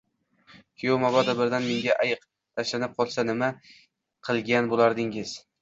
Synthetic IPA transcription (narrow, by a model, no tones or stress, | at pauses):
kʲʰejomabad̪abɪɾd̪anmeŋɡʲaʔajɨq | t̪ʰaʃlanɪp̚qʰɒlˠsanɪma | qʰɨlˠɡʲanbolaɾd̪ɪŋɪz̥